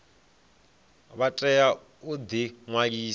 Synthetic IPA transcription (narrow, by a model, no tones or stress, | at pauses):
βatʼɛja | ud̪iŋwakiː